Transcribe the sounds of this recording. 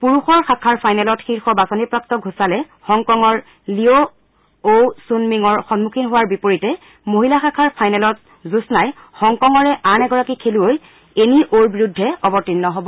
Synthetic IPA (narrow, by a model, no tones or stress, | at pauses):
puɹuxɔɹxakʰaɹpʰajnɛlɔtxiɹxɔbasɔnipɹak̚tɔɡʱusalɛ | xɔŋkɔŋɔɹ | lio | osunmiŋɔɹxɔnmukʰinɦʊwaɹbipoɹitɛ | moɦilaxakʰaɹpʰajnɛlɔt | zusnaj | xɔŋkɔŋɔɹɛʔanɛɡɔɹakikʰeluoj | eniʔoɹbiɹudʱːɛɔbɔtinːɔɦɔbɔ